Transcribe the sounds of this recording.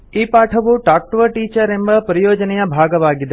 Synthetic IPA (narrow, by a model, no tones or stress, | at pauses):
ipaʈʰəʋũʈak̚ʈʋəʈiːt͡ʃəɾembəpɾəjoːd͡ʒnijãbʱaɡəʋaɡid̪e